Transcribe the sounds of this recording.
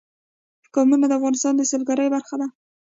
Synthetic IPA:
kɑmunad̪əafɣɑnɪst̪ɑnd̪əsəlɡaɾəjbaɾxad̪a

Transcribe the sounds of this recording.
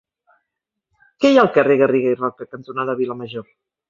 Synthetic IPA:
kɛjalˠkəreɣəriɣeirɔkəkənt̪unaðəβiləməʒo

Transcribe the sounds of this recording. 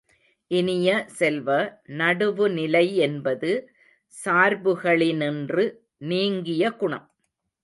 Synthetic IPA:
ʔɪnɪjɐsɛlʋɐnɐɽɯʋɯnɪlɐɪɛnbɐðɯ | saːɾbɯɣɐɭɪnɪndrɯ | niːŋɡɪjɐɡʊɳɐ̰m

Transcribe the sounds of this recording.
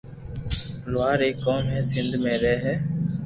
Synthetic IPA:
lʊʋaːɾeːkːoːmɦɛːsɪ̃nd̪ʱmẽːɾɛːɦɛː

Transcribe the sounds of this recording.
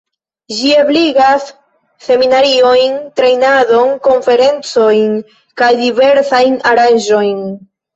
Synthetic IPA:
d͡ʒiebliɡasː | e̞minaɾio̞jntɾe̞jnado̞nko̞nfe̞ɾe̞nt͡so̞jn | kajdive̞ɾsajnaɾanʒo̞jn

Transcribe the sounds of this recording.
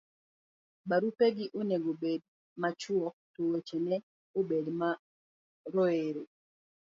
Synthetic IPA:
baɾupeɡɪʔoneɡobed̚ | mat͡ʃwɔk̚towet͡ʃenɛ | obedma | ɾoeɾo

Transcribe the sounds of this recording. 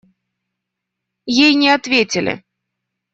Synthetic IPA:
jejnʲɛat̪vʲet͡sʲɪlʲɪ̰

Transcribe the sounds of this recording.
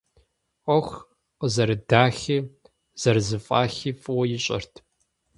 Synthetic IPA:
qʷɔxʷ | qəzɐɾɨdaːxi | z̥ɐrzɨfʼaːxiːfʼwɐjɪɕʼɐ̰rtʰ

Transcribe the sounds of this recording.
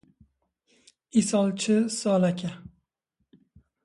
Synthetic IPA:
isɒlˠt͡ʃʰɪsɒlakʲʰa

